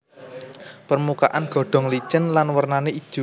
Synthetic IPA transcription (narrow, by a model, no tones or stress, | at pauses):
pərmuka̰ʔanɡ̥ɔ̤ɖ̥ɔ̤ŋlit͡ʃənlanwərnanei̥ʒ̥u